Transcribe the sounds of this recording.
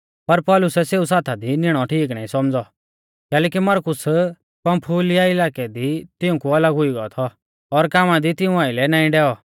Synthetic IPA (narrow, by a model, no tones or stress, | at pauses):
pɐɾpɔːlʊsɛseːusaːt̪ʰad̪inɪɽ̃ɔʈʰiːk̬nãːĩsɔmd͡zɔ | kɛːlɛːkimɐɾkʊs | pɐ̃mpʰuːlɪjaɪlaːkɛd̪it̪ɪũkuɐləɡɦʊiɡɐɔt̪ʰɔː | ɾkaːmad̪it̪ɪũaːɪlɛnaːĩɖɛːɔ